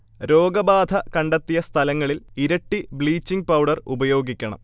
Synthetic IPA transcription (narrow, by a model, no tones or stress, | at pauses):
ɾo̞ːɡɐbaːd̪ʱɐkɐɳɖɐt̪ːijɐst̪ʰɐlɐŋːɐɭiliɾɐʈːibɭiːt͡ɕːiŋɡ̚pɐwɖɐrubɐjo̞ːɡikʲːɐɳɐ̰m